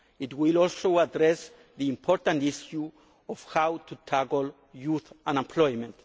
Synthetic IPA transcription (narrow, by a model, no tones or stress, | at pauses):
itwilɔlsowadɾɛs | ðiĩmpʰɔɾtãntisju | ɔfhawtʰutʰakl̩ | juθãnẽmpʰlɔjmɛ̃nt